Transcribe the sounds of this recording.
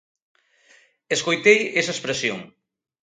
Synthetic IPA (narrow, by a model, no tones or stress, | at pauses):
eskojt̪ejesɐespɾesjo̰ŋ